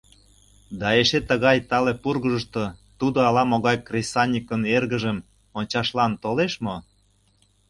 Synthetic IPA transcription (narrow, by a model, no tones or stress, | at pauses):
d̪ɑeʃet̪əɣɑjt̪ɑlepurɣəʒə̆ʃt̪ot̪ud̪oɑlɑmoɣɑjkrʲesɑnʲikənerɣəʒəm | onʲt͡ɕɑʃlɑnt̪oleʃmo